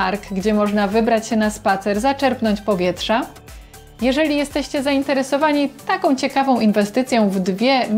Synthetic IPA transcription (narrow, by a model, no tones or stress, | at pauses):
aɾɡɡd͡ʑɛmɔʐnavɘbɾat͡ɕɕɛnaspat̪sɛɾzat͡ʂɛɾpnɔɲt͡ɕpɔvʲjɛtʂa | jɛʐɛlʲijɛst̪ɛɕt͡ɕɛzaint̪ɛɾɛsɔvaɲit̪akɔ̃w̃t͡ɕɛkavɔ̃w̃ʔinvɛst̪ɘt̪sʲjɔ̃w̃vd̪vʲjɛmʲ